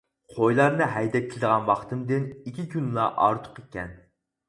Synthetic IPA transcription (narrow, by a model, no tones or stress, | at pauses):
qʰojlˠɑɾnɨɦɛjd̪ɛt̪̚kʰʲilˠɪd̪əʁɑnwɑχt̪ɨmd̪ɪnikʲikʲʰynlˠɑʔɑ̰ɾt̪ʰʊ̥qekʲɛn